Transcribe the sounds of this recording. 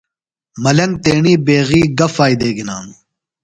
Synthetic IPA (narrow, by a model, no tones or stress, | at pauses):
mɐlɐŋɡ̚t̪eːɳiːbeːɣiːɡɐfaːjd̪eːɡina̰ːn